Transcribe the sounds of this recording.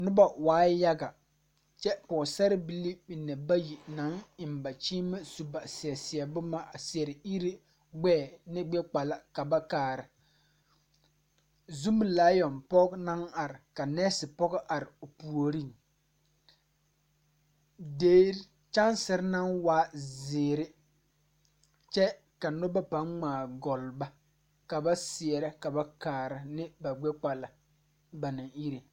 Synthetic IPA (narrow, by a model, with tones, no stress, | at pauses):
nʊ˦ba˨waː˨˦ja˦ɡa˨ | t͡ʃɛ˦pɔ˨sɛ˦ɾɪ˦bi˨li˦bi˨nːɛ˨ba˦ji˨na˨˦ŋɪ˨mba˨t͡ʃiː˦ma˦su˨ba˨sɪ˨ɛ˨sɪ˨ɛ˨bʊ˦ma˦a˨sɪ˨ɛ˨ɾɪ˨i˦ɾi˦ | ɡ͡bɛː˦˨nɪ˦ɡ͡bɛ˦k͡pa˨la˦ka˨ba˦kaː˨ɾɪ˨ | zu˦m˨laː˦jɔ˨npɔ˦kna˦ŋa˨ɾɪ˨ka˨nɛː˦sɪ˨pɔ˦ɣɔ˦ʔa˨ɾɪ˨o˨pu˨o˨ɾi˦˨ŋ | deː˦ | t͡ʃa˦nsɪ˨ɾna˦nwaː˦zɪː˨ɾɪ˦ | t͡ʃɛ˦ | ka˨nʊ˦ba˦pa˨˦nŋ͡maː˨ɡɔ˨lba˦ | ka˨ba˦sɪ˨ɛ˨ɾa˦ka˨ba˦kaː˨ɾa˨nɪ˦ba˨ɡ͡bɛ˦k͡pa˨la˨ | ba˨na˨ŋi˦ɾe˨